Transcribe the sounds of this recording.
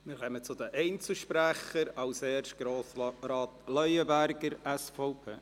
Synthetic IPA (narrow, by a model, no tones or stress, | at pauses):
mɪɾχɛmət͡sʊdəʔɛɪnt͡səʃpɾæχəɾɑʊsɛːrʃ̚ɡ̥ɾoːsɾaːtlœjəbæɾɡəɾɛsfɔʊpʰḛː